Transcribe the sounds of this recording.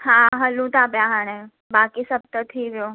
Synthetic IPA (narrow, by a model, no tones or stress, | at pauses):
hãɦəlũt̪aːbjaɦaɽ̃e | baːkisəb̚t̪ət̪ʰiːʋjo